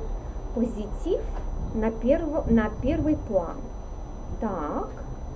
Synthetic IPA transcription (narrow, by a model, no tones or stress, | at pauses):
pɔzʲit͡sʲifnɐɛnɐpʲɛrvɨjplˠa̰n | t̪ak